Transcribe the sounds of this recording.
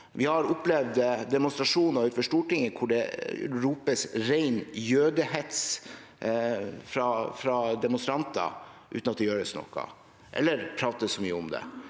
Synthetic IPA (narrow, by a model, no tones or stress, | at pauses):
ʋɪhɑɾʊplɛʋd̪d̪ɛmʊnst̪ɾɑʂuːnɔʉːt̪fɔʂʈuːʈɪŋːəkʰʊɖɛɾuːpəsɾæɪnjøːd̪əhɛt̪s | fɾɑfɾɑd̪ɛmʊnst̪ɾɑnt̪ə̰ | ʔʉ̰t̪nɑt̪̚d̪ɛjøːɾəsnɔ̰kːɑ̰ | ʔɛ̰lːəɾpʰɾɑːt̪əsɔmyːəʊmd̪ɛ̰